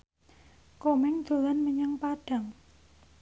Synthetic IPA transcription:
komɪŋd̪̥o̤lanməɲəŋpaɖ̥a̤ŋ

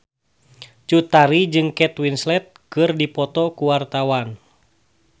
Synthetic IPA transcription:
t͡ʃut̪aɾid͡ʒɨŋkɛt̪winslɛt̪̚kɨrdipɔt̪ɔkuwart̪awan

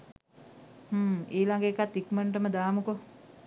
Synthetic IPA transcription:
həːeːlaŋɡəːkat̪ːikməɳʈəməd̪aːmuko

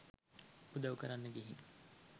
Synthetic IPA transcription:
ud̪aʋukəɾanːəɡeɦiŋ

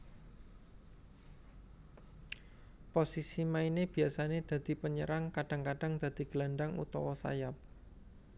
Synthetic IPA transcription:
posisimaineb̥i̤asaned̪̥ä̤d̪̥i̤pəɲə̰ɾaŋkaɖ̥a̤ŋkaɖ̥a̤ŋd̪̥a̤d̪̥i̤ɡ̥laɳɖaŋṵt̪ɔwɔsa̰jap̚

